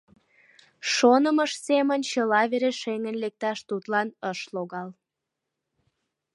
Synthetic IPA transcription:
ʃonəməʃsemənt͡ɕəlɑβeɾeʃeŋənlek̚t̪ɑʃt̪ut̪lɑnəʃloɣɑl

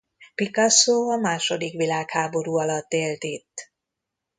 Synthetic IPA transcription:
pikɒsoːɒmaːʃo̞d̪ikʋilaːkhaːbo̞ɾuːɒlɒt̪ːeːlt̪it̪ː

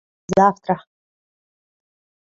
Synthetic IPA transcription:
zaːftʰʼraħ

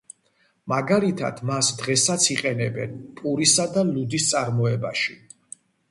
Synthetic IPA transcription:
maɡalit̪ʰa̰d̪̥masd̪ʁɛsat̪sʰiqʼɛnɛbɛ̰npʼuɾisad̪alud̪ist̪sʼaɾmɔɛbaʃi

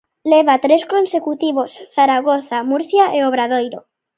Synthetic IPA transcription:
leβ̞at̪ɾeskonsekut̪iβ̞osθaɾaɣ̞oθamuɾθjaʔeoβ̞ɾað̞ojɾo

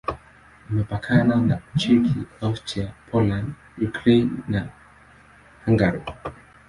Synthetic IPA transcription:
imɛpakʰananat͡ʃikʰiastɾiapʰɔland | jukɾɛnːa | haŋɡaɾɔ

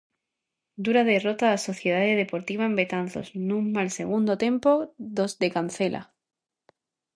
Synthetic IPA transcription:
d̪uɾaðe̞rot̪aso̞θje̞ð̞aðeðe̞po̞ɾt̪iβaembe̞t̪anθo̰snũŋmalse̞ɣ̞und̪ot̪e̞mpoðo̞zd̪e̞kanθe̞lʔa̰

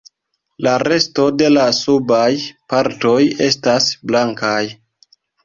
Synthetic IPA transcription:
laɾe̞sto̞de̞lasubajpaɾto̞je̞stasblaŋkaj

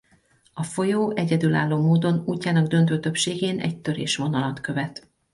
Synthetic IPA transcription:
ɒfo̞joːʔɛɟɛd̪yːla̰ːlːoːmoːd̪o̞nuːcːaːnɒɡd̪ø̞nt̪øːt̪ø̞pʃeːɡeːnɛ̰ct̪ø̞ɾḛːʃʋo̞nɒlɒt̪køvɛt̪

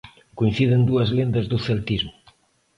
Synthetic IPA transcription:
kuinθiðend̪uɐzlend̪ɐzðuθelt̪izmʊ

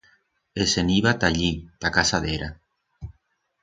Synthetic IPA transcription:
eseniβat̪aʎit̪akasaðeɾa

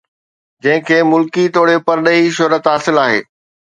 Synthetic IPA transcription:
d͡ʑɐ̃ɦɪ̃kʰeːmʊlkit̪oːɽepɐɾɗəɦiʃʊɾət̪ɦaːsɪlaːɦḛː

